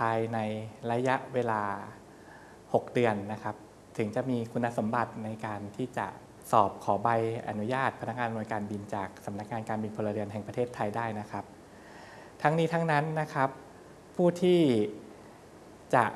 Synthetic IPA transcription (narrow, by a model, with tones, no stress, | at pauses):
pʰaː˧jna˧jɾa˧ja˦˥ʔweː˧laː˧ | ho˨˩k̚dɯ˧ənːa˦˥kʰa˦˥p̚ | t̪ʰɯ˩˦ŋt͡ɕa˨˩miː˧kʰu˧nːa˦˥so˩˦mba˨˩t̪̚na˧jkaː˧nt̪ʰiː˥˩t͡ɕa̰˨˩ʔ | sɔː˨˩p̚kʰɔː˩˦ba˧jʔa̰˧nu˦˥jaː˥˩t̪̚pʰa˧na˦˥k̚ŋaː˧nu˧jkaː˧nbi˧nt͡ɕaː˨˩k̚sa˩˦mna˦˥k̚ŋaː˧nkaː˧nbi˧npʰo˧lːa˧ɾɯ˧nɦɛ˨˩ŋpa˧t̪ʰeː˥˩t̪ʰːaː˧jdaː˥˩jna˦˥kʰa˦˥p̚ | t̪ʰa˦˥ŋniː˦˥t̪ʰa˦˥ŋna˦˥nːa˦˥kʰa˦˥p̚ʰː | uː˥˩t̪ʰiː˥˩ | t͡ɕa̰˨˩ʔ